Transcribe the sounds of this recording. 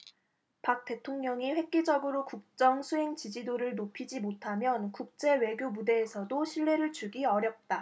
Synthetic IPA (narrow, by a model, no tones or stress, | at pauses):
pak̚t͈e̞tʰoŋɲʌŋiɸwe̞k̚k͈id͡ʑʌɡɯɾokuk̚t͡ɕ͈ʌŋsʰuɦeŋt͡ɕid͡ʑidoɾɯɭnopʰid͡ʑimotʰamjʌnkuk̚t͡ɕ͈e̞we̞ɡjobude̞ːsʰʌdoɕʰiɭːe̞ɾɯɭt͡ɕuɡiʌɾjʌp̚t͈a